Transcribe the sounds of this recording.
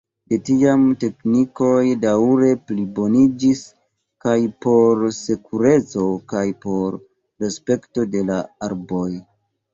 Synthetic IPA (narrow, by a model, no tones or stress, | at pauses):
detiamte̞kniko̞jdawɾe̞plibo̞nid͡ʒis | kajpo̞ɾse̞kʰuɾe̞t͡so̞kajpo̞ɾː | espe̞kto̞de̞laaɾbo̞j